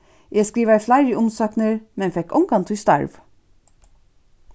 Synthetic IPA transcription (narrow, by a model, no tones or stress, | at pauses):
jeːskɾiːʋæɪflæɪɹɪʊmsɑːknəɾmɛnfɛkɔŋɡɑnt̪ʰʉst̪ɑ̰ɹʋ